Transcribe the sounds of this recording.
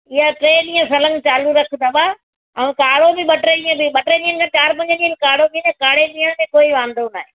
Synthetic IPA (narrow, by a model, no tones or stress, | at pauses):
ɪɦaʈɾeːɗiːə̃sɐlə̃nt͡ɕaːluɾɐkʰt̪aɓaː | ɐʋẽkaːɽobɪɓɐʈɾeɗĩə̃bɪɓɐʈɾeɗĩːənɪ̆kʰat͡ɕaːɾpɐ̃ɲd͡ʑəɗĩːənɪkaːɽomiːnkaːɽeɗĩːəɽ̃kẽkoːiʋãːnd̪onaːɦeː